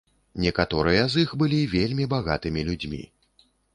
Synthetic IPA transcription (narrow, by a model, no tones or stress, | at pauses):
nʲɛkat̪ɔɾɨjɐzixbɨlʲivʲelʲmʲibaɣa̰t̪ɨmʲilʲud͡zʲmʲḭ